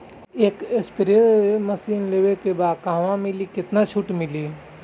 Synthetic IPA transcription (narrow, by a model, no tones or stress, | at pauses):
eːkespɾesemɐsiːnlewekebaːd̪kãːʋãmɪlikɪt̪nat͡ʃʰuʈmɪli